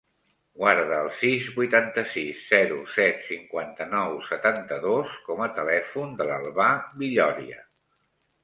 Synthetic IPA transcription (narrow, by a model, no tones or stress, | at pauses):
ɡwaɾðəːlˠsizbujt̪ant̪əsisːɛɾusɛt̪siŋkwant̪ənɔwsət̪ant̪əðoskɔmət̪əlɛfund̪ələlˠβabiʎɔɾiə̰